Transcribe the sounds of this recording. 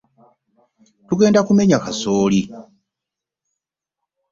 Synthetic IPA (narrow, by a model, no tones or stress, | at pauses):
tuɡe̞ːndakume̞ɲakasoːli